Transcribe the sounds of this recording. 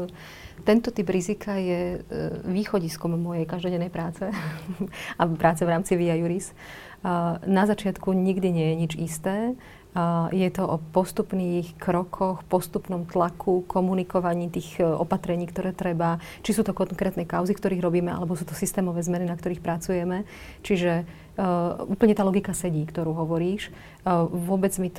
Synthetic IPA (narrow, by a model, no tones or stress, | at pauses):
t̪ɛnt̪ɔt̪ibɾizikʰajɛ | ʋiːxɔɟiskɔmːɔjɛjkaʒd̪ɔɟɛnːɛjpɾaːt͡sɛ | apɾʔaːt͡sɛvɾaːmt͡siʋiajuɾis | nazat͡ʃɪat̪kuɲiɡd̪iɲɪɛjɛɲid͡ʒist̪ɛː | jɛt̪ɔʔɔpɔst̪upniːxkɾɔkʰɔxpɔst̪upnɔmt̪lakʰukʰɔmunikɔʋaɲiːt̪iːxʔɔ̰pat̪ɾɛɲiːkt̪ɔɾɛːt̪ɾɛba | t͡ʃisuːt̪ɔkɔŋkɾɛːt̪nɛjkaʊzifkt̪ɔɾiːɣɾɔbiːmɛʔa̰lɛbɔsuːt̪ɔsist̪ɛːmɔʋɛːzmɛninakt̪ɔɾiːxpɾat͡sujɛmɛ | t͡ʃiʒɛ | uːpl̩ɲɛt̪aːlɔɡikasɛɟiːkt̪ɔɾuːɦɔʋɔɾiːʃ | ʋʊɔbɛd͡zmit̪